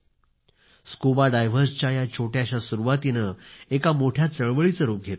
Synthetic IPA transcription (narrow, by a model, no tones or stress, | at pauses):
skubaɖajʋ̤əɾst͡ɕajat͡ɕʰoʈjaɕasuɾuʋat̪inəekamoʈʰjat͡səɭʋəɭit͡səɾuːp̚ɡʱet̪